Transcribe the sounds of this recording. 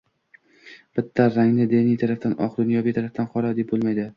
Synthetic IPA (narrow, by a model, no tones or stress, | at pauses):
b̥ɪt̪ʰːaɾaŋnɪd̪enijt̪ʰaɾafd̪anʔɒ̰qd̪ʊnjɒbijt̪ʰaɾaft̪anqʰɒɾad̪ep̚bolˠmajd̪ɪ